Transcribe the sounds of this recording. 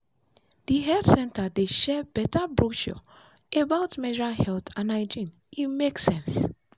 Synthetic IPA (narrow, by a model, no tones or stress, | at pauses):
d̥iɦɛltsɛ̃ntadeʃɛbɛtabɹuʃɔ̰ | ebaʊtmɛd͡ʒɹalhɛlθʰãnaɪd͡ʒĩn | imeksɛ̃ns